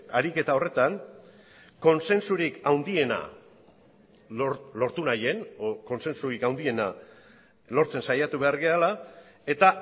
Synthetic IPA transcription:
aɾike̞t̪ao̞re̞t̪an | ko̞nse̞nsuɾikawnd̪ie̞na̰ | olo̞ɾt̪unaje̞noko̞nse̞nsuɾikawnd̪ie̞na | lo̞ɾt͡se̞nsajat̪uβe̞aɾɣeala | e̞t̪a

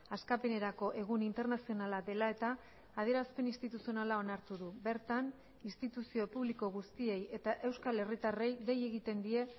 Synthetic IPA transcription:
askape̞ne̞ɾako̞ʔe̞ɣ̞unint̪e̞ɾnasio̞nalad̪e̞lae̞t̪aː | ð̞ie̞ɾaspe̞ninst̪it̪usio̞nalao̞naɾt̪uðube̞ɾt̪an | inst̪it̪usio̞puβliko̞ɣust̪ie̞je̞t̪aʔe̞wskale̞rit̪are̞jðe̞je̞ɣit̪e̞nd̪ie̞

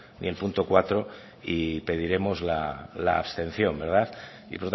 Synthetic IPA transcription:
nie̞lpunt̪o̞kwat̪ɾo | ipe̞ð̞iɾe̞mo̞zlala̰ːβst̪e̞n̟θjo̞mbe̞ɾð̞aθ | ipoɾt̪

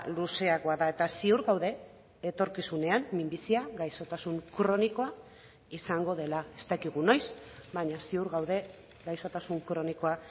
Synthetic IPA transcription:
luse̞aɣoaðae̞t̪asiuɾɣawðe̞ː | t̪o̞ɾkisune̞amːimbisiaɣajso̞t̪asuŋkɾo̞niko̞a | isaŋɡo̞ð̞e̞lae̞st̪akiɣ̞uno̞jsbaɲasiuɾɣawðe̞ | ɣajsot̪asuŋkɾo̞niko̞a

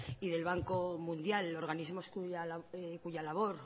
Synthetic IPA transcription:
iðelβ̞aŋko̞mũnd̪jalo̞ɾɣ̞anizmo̞skuakuʝalaβ̞o̞ɾ

